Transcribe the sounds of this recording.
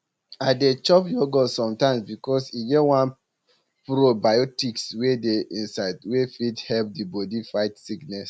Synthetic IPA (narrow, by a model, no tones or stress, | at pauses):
aɪdet͡ʃɔpjoɡɔsɔ̃mtãɪ̃msbikɔsiɡɛwãn | puɾobajɔtikswedeʔĩnsaɪdwefidhɛlp̚dibɔdifaɪtsiknɛs